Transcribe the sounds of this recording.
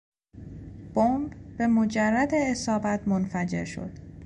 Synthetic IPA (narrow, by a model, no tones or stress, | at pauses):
b̥ombbe̞mod͡ʒærːæd̪eːsɒːbæt̪ʰmonfæd͡ʒe̞̰ɾʃo̞̰d̪̥